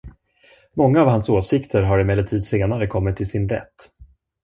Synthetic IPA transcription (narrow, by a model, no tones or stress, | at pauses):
mɔŋːaːvhansoːsɪkt̪ʰəɾɦaɾɪmɛlːət̪ʰiːd̪seːnaɾəkʰɔmːɪt̪ʰːɪlsɪnɾɛ̰t̪ː